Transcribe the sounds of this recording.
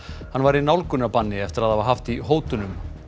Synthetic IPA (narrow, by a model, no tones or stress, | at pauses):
hanːvaɾinawlkʏnapanːɪɛft̪ɪɾaðhavaɾɦaft̪iɦoːwt̪ʏnʏm